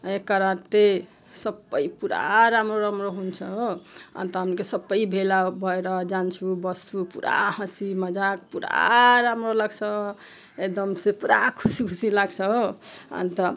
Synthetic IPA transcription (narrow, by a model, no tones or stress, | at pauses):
ekːəɾãt̪e | səbəjpuɾa̰ɾamɾoɾamɾoɦunt͡ʃʰʌɦoa̰nt̪ɔɦəmnikesəbəjbʱelabʱʌeɾʌd͡ʒant͡ʃʰubʌst̪upṵɾa̰hə̃siməd͡ʒak̚puɾa̰ɾamɾoləɡt͡ʃʰʌ | ekd̪ʌmsepuɾakʰusikʰusilaɡt͡ʃʰʌɦoa̰nt̪ʌ